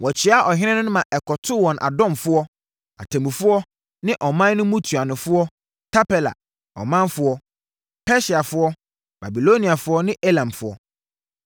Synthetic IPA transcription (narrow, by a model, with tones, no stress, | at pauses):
wɔ˨t͡ɕʰɪ˦a˦ʔɔ˨ɦɪ̃˦nɪ̃˦nʊ̃˦nʊ̃˦mã˨ʔɛ˨kʰɔ˨tʰʊ˦wɔ̃˨nʔa̰˨dɔ̃˦˨mfʊ˦ɔ˦ | a̰˨tʰa˨mĩ˨fʊ˦ɔ˦ | nɪ̃˦ʔɔ˨mã˦nː˦ʊ̃˦mũ˦tʰu˨a˨nʊ̃˨fʊ˦ɔ˦ | tʰa˦pɛ˨la̰˨ | ɔ̰˨mã˦nfʊ˦ɔ˦ | pʰɛ˦ɕi˨a˨fʊ˦ɔ˦ | b̥a˨bi˨lo˦nĩ˨a˨fʊ˦ɔ˦nɪ̃˦ʔe˦lã˨mfʊ˦ɔ̰˦